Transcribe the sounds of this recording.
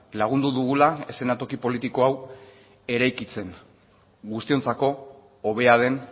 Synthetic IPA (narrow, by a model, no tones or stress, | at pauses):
laɣ̞und̪uðuɣulae̞se̞nat̪o̞kipo̞lit̪iko̞aw | e̞ɾajkit͡se̞n | ɡust̪io̞nt͡sako̞ː | β̞e̞aðe̞n